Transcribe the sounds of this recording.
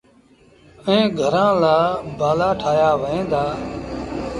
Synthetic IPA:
ẽːɡʱəɾãːlaːbaːlaːʈʰaːjaːʋəẽːd̪aː

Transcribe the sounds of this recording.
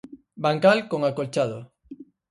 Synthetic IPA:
baŋkalkoŋakolt͡ʃaðo̰

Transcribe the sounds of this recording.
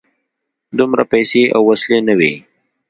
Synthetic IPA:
d̪ʊmɾapɛjsea̰wːaslenawi

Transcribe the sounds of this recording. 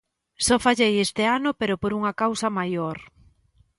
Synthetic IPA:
sɔfaʎejest̪eanʊpeɾopoɾuŋɐkawsɐmajoɾ

